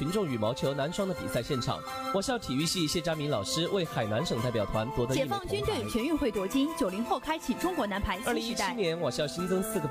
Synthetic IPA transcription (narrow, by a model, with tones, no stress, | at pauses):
i˧˥nʈ͡ʂʊ˥˩ŋy˨˩mɑ˧˥ʊt͡ɕʰjo˧˥ʊna˧˥nʂwɑ˥ŋd̪ə˨pi˨˩sa˥˧ɪɕjɛ˥˩nʈ͡ʂʰɑ̰˨˩˦ŋ | wɔ˨˩ɕjɑ˥˩ʊt̪ʰi˨˩y˥˧ɕi˥˧ɕjɛ˥˧t͡ɕja˥mi˧˥nlɑ˨˩ʊʂɻ̩˥we˥˩ɪxa˨˩ɪna˧˥nʂɤ˨˩ŋt̪a˥˩ɪpjɑ˨˩t̪ʰwa˧˥nt̪wɔ˧˥d̪ə˧t͡ɕɛ˨˩˥ɑ˥˩ŋt͡ɕy˥nt̪we˥˩ɪt͡ɕʰɥɛ˧˥ny˥˧xwe˥˩ɪt̪wɔ˧˥t͡ɕi˥nt͡ɕjo˨˩ʊli˧˥ŋxo˥˩ʊkʰa˥ɪt͡ɕʰi˨˩ʈ͡ʂʊ˥ŋkwɔ˧˥na˧˥npʰa˧˥ɪə˞˥˩˥li˧˥ŋi˥t̪a˥˩˥njɛ˧˥nwɔ˨˩ɕjɑ˥˩ʊɕi˥nkɤ˥ŋsɹ̩˥˩ɡə˩